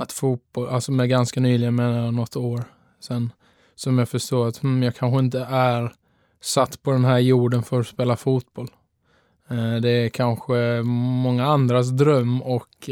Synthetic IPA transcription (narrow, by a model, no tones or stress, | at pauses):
at̪fuːt̪̚b̥ɔlʔalsɔmɛɡanskanyːlɪɡənmeːnanɔt̪ʰːoːɾ | sɛnː | sɔmjɑːfœʂt̪oːɾat̪m̩jɑːɡkʰanɧəɪnt̪əʔæɾ | sat̪ːpʰɔd̪ɛnɦæːɾjuːɖənfœɾɔspeːlafuːt̪̚bɔl | d̪ɛækʰanɧəmɔŋːaand̪ɾas̬d̪ɾœmːɔk